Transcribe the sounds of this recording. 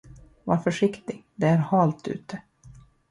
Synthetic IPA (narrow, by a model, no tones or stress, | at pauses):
vɑɾfœʂɪkt̪ɪɡd̪ɛæɾhɑːlt̪ʰʉ̰ːt̪ə